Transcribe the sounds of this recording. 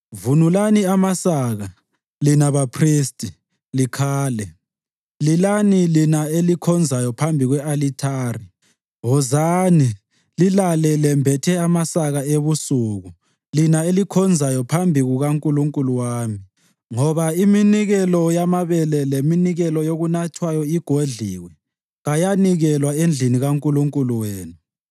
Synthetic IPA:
vunulaniamasaɣa | linaβapʰristʼi | likʰaːlɛ | lilanilinaelikʰɔnd͡zʱajɔpʰambʱiɣwɛalitʰaːri | ɦɔzani | lilalɛlɛmbʱɛtʰɛamasaɣaeβusuɣu | linaelikʰɔnd͡zʱajɔpʰambʱiɣuɣaŋkʼuluŋkʼuluwaːmi | ŋɔβaiminiɣɛlɔjamaβɛlɛleminiɣɛlɔjoɣunatʰwajɔiɡ̥ʱoɮiːwɛ | ɣajaniɣɛlwaend͡ɮʱiniɣaŋkʼuluŋkʼuluweːnu

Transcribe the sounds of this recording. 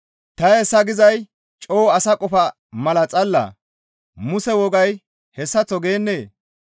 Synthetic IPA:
t̪ɐɛsːɐɡɪzɐj | t͡ʃʼoːɐsɐkʼɔfɐ | mɐlɐt͡sʼɐlːɐ̰ | mʊsɛwɔɡɐj | hɛsːɐt͡sːɔɡe̞ːnːeː

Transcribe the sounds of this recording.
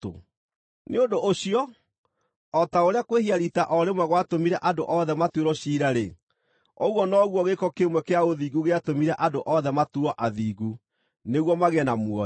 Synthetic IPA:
o̰ | neondooɕiɔ | ɔtaoɾeakwehiaɾitaʔɔɾemwɛɣwatomiɾɛʔandoʔɔðɛmatweɾɔɕiːɾaɾe | ɔ̰ɣwɔnɔɣwɔɣekɔkemwɛkeaoðiːɡuɣeatomiɾɛʔandoʔɔðɛmatuɔʔaðiːɣu | neɣwɔmaɣeɛnamwɔ

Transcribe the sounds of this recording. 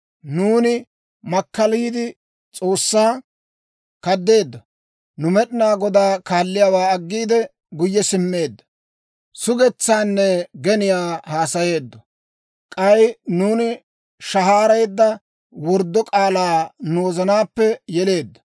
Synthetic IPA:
nuːnɪ | mɐkːɐliːd̪ɪ | t͡sʼo̞ːsːaː | kɐd̪ːe̞ːd̪ːɐ | nʊmɛɗɪnaːɡɔd̪aːkaːlːɪjaːwaːɐɡːiːd̪ɛ | ɡʊjːɛsɪmːe̞ːd̪ːɐ̥ | sʊɡɛt͡sːaːnːɛɡɛnɪjaːhaːsɐje̞ːd̪ːɔ | kʼɐjnuːnɪ | ʃɐɦaːɾɐjd̪ːɐ | wɔɾd̪ːɔkʼaːlaːnoːzɐnaːpːɛjɛle̞ːd̪ːɐ̥

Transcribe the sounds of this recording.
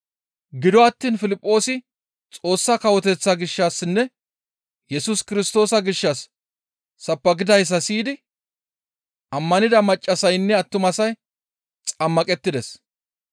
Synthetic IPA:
ɡɪd̪ɔɐt̪ːiːnfɪlɪpʼːo̞ːsɪ | t͡sʼo̞ːsːakɐwɔt̪ɛt͡sːaɡɪʃːaːsnːɛ | jɛsuskɪɾɪst̪o̞ːsɐɡɪʃːɐsː | ɐpːɐɡɪd̪ɐjs̬ːɐsiːd̪ɪ | ʔɐmːɐnɪd̪ɐmɐt͡ʃʼːɐsɐjnːɛɐt̪ːʊmɐsɐj | t͡sʼɐmːɐkʼɛt̪ːɪd̪ɛs

